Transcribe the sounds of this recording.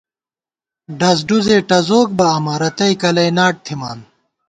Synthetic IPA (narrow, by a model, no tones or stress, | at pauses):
ɖɐs̬ɖuzeːʈɐzoːk̚bɐɐmɐɾɐt̪ɐikɐlɐjnaːʈ̚t̪ʰimaːn